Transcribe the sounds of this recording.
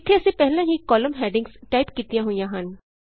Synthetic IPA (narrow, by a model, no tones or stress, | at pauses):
kʰeɛsepɛɦlãɦikɔːləmɦɛːɖɪ̃ŋɡsʈaːɪpkiːt̪ijãɦũjãɦaːn